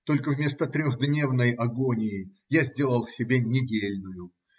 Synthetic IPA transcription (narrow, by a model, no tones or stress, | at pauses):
t̪o̞lʲkəvmʲe̞st̪ət̪ɾʲoxd̪nʲe̞vnəjɐɡo̞nʲɪjɪ | jazʲdʲe̞lˠəlˠfsʲɪbʲenʲɪdʲelʲnʊjʊ